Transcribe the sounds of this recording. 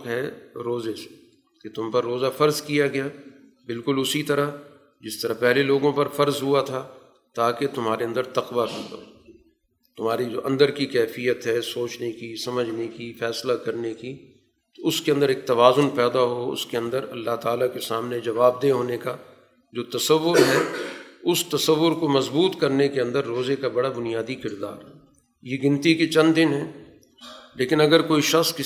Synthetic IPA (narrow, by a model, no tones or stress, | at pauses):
kɦɛɾoːzese̥ | ket̪ʊmpɐɾːoːzafɐɾzkijaɡɐjaː | bɪlkʊlʊsit̪ɐɾa | d͡ʒɪst̪ɐɾapɛɦleloːɡõpɐɾfɐɾzɦuat̪ʰaː | t̪aːket̪ʊmɦaːɾeɐ̃nd̪əɾt̪ɐqʋakɐɾd̪a̰ | t̪ʊmaːɾid͡ʒo̰ːʔɐ̰̃nd̪əɾkikɛːfijət̪ɦɛsoːt͡ʃnekisɐməd͡ʒʱnekifɛːslakɐɾneki | t̪oʊskeɐ̃nd̪əɾeːk̚t̪ɐʋaːzʊnpɛːd̪aɦoʊ̰skeɐ̃nd̪əɾɐ̰lːaɦt̪aːlakesaːmned͡ʒɐʋaːb̚d̪eɦoːneka | d͡ʒoːt̪ɐsəʋːʊɾɦɛʊst̪ɐsəʋːʊɾkomɐzbuːt̪kɐɾnekeɐ̃nd̪əɾːoːzekabɐɽabʊnijaːd̪ikɪɾd̪a̰ːɾɦɛː | jeɡɪ̃nt̪iket͡ʃɐ̃nd̪ɪnɦɛː | leːkɪnɐɡəɾkoːiʃɐxskɪ